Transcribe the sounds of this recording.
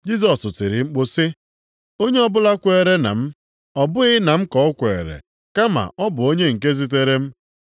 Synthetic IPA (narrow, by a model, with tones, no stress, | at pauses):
d͡ʒi˦z̬ɔ˨sʊ˨tɪ˨ɾɪ˨ŋ͡m̩˦k͡pʊ˦sɪ˦ | o˦ɲe˦ɔ˦bʊ˦la˦kʷe˨ɾe˦na̰˨m̩˦ | ɔ˨bʊ˦ɣɪ˦na˨m̩˦kɔ˨ʊ˦kʷe˨ɾḛ˨ | ka˦ma̰˨ʔɔ˦bʊ˨o˦ɲe˦ŋ̩˨k̬e˦zi˦t̬e˦ɾe˦m̩˦